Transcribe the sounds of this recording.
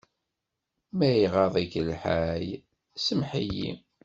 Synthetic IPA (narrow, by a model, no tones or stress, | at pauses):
mæjʁɑðˤikəlħaj | səmħijḭ